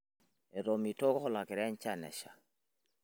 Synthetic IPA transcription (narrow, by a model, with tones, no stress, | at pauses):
e˨ɾɔ˨mi˨tɔ˦kɔ˦hɔ˦la˨kɛ˨ɾɛ˦ɲ˦t͡ʃa˦nɛ̰˨ʃa̰˨